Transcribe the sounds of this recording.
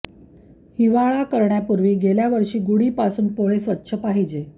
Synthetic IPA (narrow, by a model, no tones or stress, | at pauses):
hiʋaɭakəɾɳjapuɾʋiːɡeljaʋəɾʂiːɡuɽiːpasuːnpoɭesʋətːɕʰəpaɦid͡ʑe